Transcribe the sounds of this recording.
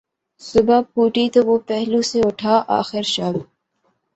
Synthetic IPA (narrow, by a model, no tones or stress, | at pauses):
sʊbʱapuːʈit̪oʋopɛɦluseʊʈʰaːʔa̰ːxɪɾʃam